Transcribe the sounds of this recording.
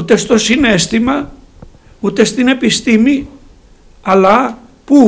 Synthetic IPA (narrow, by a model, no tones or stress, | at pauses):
ut̪e̞st̪o̞sine̞st̪imɐ | ut̪e̞st̪ine̞pist̪imi | ɐlɐ | pu